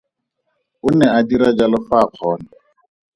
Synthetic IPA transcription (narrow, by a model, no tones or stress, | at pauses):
ʊnɛadiɾad͡ʒalʊfaq͡χʰɔːna